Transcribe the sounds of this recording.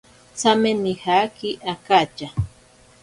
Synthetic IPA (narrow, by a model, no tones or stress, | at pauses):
t͡samenihakiʔakat͡ʃa